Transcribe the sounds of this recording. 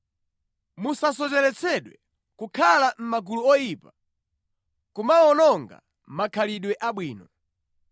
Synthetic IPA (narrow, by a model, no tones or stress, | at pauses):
musas̬ɔt͡ʃɛɾɛt͡sʰɛɗwɛ | kukʰalam̩maɡuluɔjipa | kumaɔnɔŋɡa̰ | m̩makʰaliɗwɛʔaɓwiːnɔ